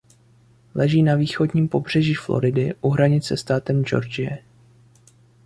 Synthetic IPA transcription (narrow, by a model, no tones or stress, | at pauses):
lɛʒiːnaviːxo̞dɲiːmpo̞br̝̥ɛʒiːflo̞̰ɾɪdɪʔuɦɾaɲɪt͡sɛst̪aːt̪ɛmd͡ʒo̞̰ɾd͡ʒɪjɛ